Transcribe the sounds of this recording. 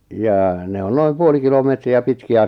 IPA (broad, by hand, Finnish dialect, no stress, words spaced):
jɑː ne on noim puoli kilomeˑtriæ pitkiæ